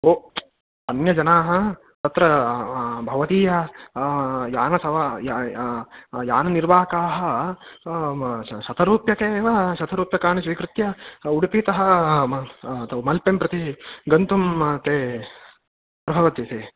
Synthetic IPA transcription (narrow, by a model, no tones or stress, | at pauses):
oː | ɐnjɐd͡ʒɐnaːɦɐ̆ | t̪ɐt̪ɾɐ | bʱɐʋɐt̪iːjɐ | jaːnɐsɐʋɐj | ja̰ːnɐniɾʋaːɐkaːɦɐ̆ | ʃɐt̪ʰɐɾuːpjɐkeːʋɐʃɐt̪ʰɐɾuːpjɐkaːɳisʋikɾɪt̪jɐuɽipiːt̪ɐɦɐ | t̪ɐmɐlpempɾɐt̪iɡɐnt̪umt̪eː | pɾɐbʱɐʋɐt̪it̪eː